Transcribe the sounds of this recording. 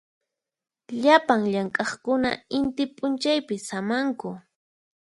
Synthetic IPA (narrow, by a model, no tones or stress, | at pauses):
ʎapaŋʎaŋkʼɑχkʊna̰ɪnt̪ɪpʼʊnt͡ʃajpɪsamaŋkʊ